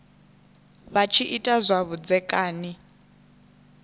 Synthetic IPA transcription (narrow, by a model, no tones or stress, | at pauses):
βat͡ʃʰiʔitʼazʷaβud͡zɛkʼaːni